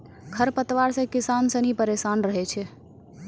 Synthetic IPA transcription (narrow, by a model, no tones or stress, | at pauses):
kʰəɾpət̪ʋaɾsə̃kisansə̃nipəɾesanɾəɦɛt͡ʃʰɛ